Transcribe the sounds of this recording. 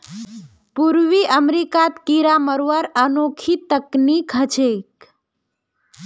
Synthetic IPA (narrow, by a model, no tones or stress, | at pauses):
puɾʋiʔəmɾikat̪kiɾaməɾʋaɾənokʰit̪əknikət͡ʃek